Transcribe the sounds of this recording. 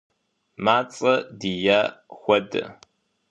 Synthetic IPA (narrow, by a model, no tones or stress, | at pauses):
maːt͡sʼɐdiːjaːxʷɔdɐ̰